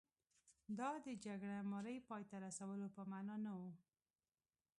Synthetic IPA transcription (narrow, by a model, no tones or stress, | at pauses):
d̪ɑd̪əd͡ʒaɡɽamaɾəjpɑjt̪aɾasawəlopəmanɑnawu